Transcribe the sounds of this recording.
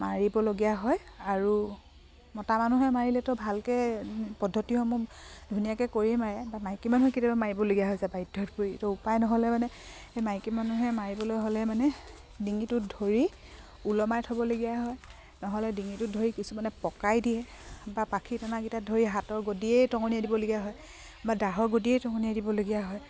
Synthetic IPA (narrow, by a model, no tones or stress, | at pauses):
maɹibɔloɡiaɦɔjaɹu | mɔtamanuɦɛmaɹilɛtɔbʱalkɛpɔdʱːɔtiɔmʊdʱunijakɛkoɹimaɹɛbamajkimanuɦɛketibamaɹibɔloɡijaɦɔjsabajdʱɔtpuɹitɔupajnɔɦɔlɛmanɛ | emajkimanuɦɛmaɹibɔlojɦolɛmanɛ | diŋitʊdʱoɹi | ulɔmajtʰɔbɔloɡijaɦɔj | nɔɦɔlɛdiŋitʊdʱoɹikisumanɛpɔkajdiɛbapakʰitanakitadʱoɹiɦatɔɹɡodiejtɔŋɔnijadibɔloɡijaɦɔj | badaɦɔɹɡodiejtɔŋɔnijadibɔloɡijaɦɔj